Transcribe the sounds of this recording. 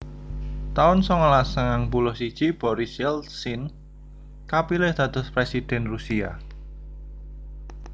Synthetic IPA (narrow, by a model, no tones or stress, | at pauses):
t̪aʊnsɔŋəlasaŋaŋbulʊhsid̥ʒ̥ib̥ɔɾɪsɛlsin | kapilɪhd̪̥a̤d̪̥ʊ̤spɾesid̪̥ɛnrusia̰